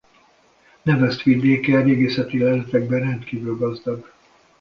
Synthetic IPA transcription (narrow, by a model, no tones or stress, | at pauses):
nɛvɛst̪ʋid̪eːkɛɾeːɡeːsɛt̪iɛlɛt̪ɛɡ̚bɛrɛnt̪kiːvylɡɒzd̪ɒɡ